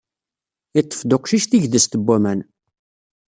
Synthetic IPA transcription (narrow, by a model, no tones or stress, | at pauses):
ɪt̪ˤːə̥fd̪oqʃiʃθiʝðəst̪əbʷːæmæn